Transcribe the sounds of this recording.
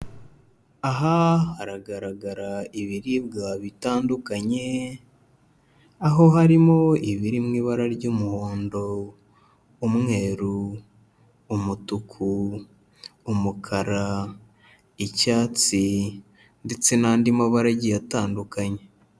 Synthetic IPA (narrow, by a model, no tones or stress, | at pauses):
aɦahaɾaɡaɾaɡaɾaiβiɾiβɡaβitaːndukaɲe̞ | aɦo̞ɦaɾimo̞iβiɾimŋiːβaɾaɾɟumuho̞ːndo̞ | mŋe̞ːɾu | mutukʰu | mukʰaɾa | icaːt͡si | nde̞t͡se̞naːndimaβaɾaɟijataːndukaɲe̞